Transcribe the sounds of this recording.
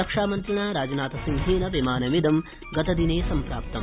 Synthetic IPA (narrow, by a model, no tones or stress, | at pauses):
ɐkʂaːmɐnt̪ɾɐɳaːɾaːd͡ʒɐnaːt̪ɐsind̪ʱiːnɐʋimaːnɐmid̪ɐm | ɡɐt̪ɐd̪ineːsɐmpɾaːp̚t̪ɐm